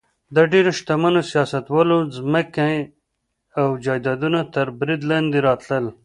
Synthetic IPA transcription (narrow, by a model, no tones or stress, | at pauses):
d̪əɖeɾoʃt̪amanosijɑsat̪wɑlozməke | awd͡ʒɑjd̪ɑd̪unat̪əɾbɾid̪land̪iɾɑt̪ləl